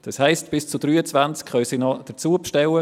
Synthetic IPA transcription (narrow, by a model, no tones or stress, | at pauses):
d̥ɑshɛɪstb̥ɪst͡sud̥ɾyːət͡svant͡skχœʏsinɔd̥ət͡suːəpʃtɛwə